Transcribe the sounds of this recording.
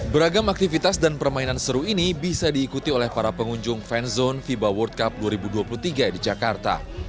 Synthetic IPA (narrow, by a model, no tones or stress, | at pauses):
bəɾaɡamak̚t̪ifit̪asdanpərmainansəɾuinibisadiːkut̪iolɛhpaɾapəŋuɲd͡ʒʊŋfɛnzɔnfibawɔrt̪̚kap̚duaɾibuduapuluht̪iɡadid͡ʒakart̪a̰